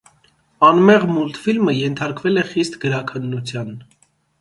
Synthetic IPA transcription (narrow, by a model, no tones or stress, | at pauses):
ɑnmɛʁmult̪filməjɛnt̪ʰɑɾkvɛlɛχist̪ɡəɾɑkʰənːut͡sʰjɑn